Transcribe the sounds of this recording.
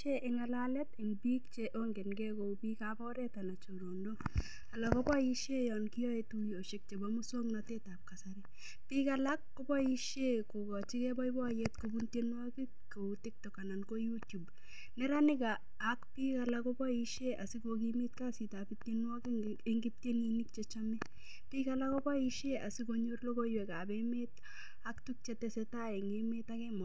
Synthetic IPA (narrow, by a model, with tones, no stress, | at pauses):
t͡ʃeʔɪ˨ŋa˨lalɛ˦tɪ˨nbi˦kt͡ʃeʔo˦ŋɡe˨nɡɛ˦ko˨pi˦kapɔ˦ɾɛ˦ta˨na˨t͡ʃo˨ɾo˨ndo˦ | a˨la˨ko˦bɔ˦i˦ʃe˦jɔnki˦jɔ˦etu˦jo˨ʃɪ˨k̚t͡ʃe˨bɔmʊ˦so˦ŋnate˦ta˨p̚ka˨saɾɪ˦ | pi˦kala˦kːo˦bɔ˦i˦ʃe˦ko˨kɔ˨t͡ʃi˦kɛ˦bɔ˦ibɔ˦a˨je˦tkobunte˦nwɔ˦kɪ˦ | ko˨utɪ˦k̚tɔka˨na˨nko˦jutju˨b | nɛ˦ɾanɪ˦kaː | kpika˨lakɔbɔ˦iʃeʔa̰˨sɪ˦kokimi˦tka˦si˨tapitjenwɔkɪ | e˦ŋɡi˦p̚tjenini˦k̚t͡ʃɛt͡ʃamɪ˦ | pikala˦kɔbɔ˦iʃea̰˨sɪkoɲorlo˦ko˦jwɛkabemet̚ | aktuk̚t͡ʃɛtɛsɛta˦ɛ˨ŋemetakɛmɔ˨